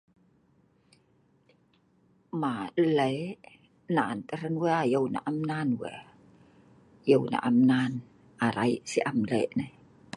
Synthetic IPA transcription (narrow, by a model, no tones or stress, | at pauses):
maʔleʔ | nant̪əɾənwɛajəwna̰ʔamnanwɛ̰ | jəwna̰ʔamnan | ʔaɾajsiʔamlḛʔnaj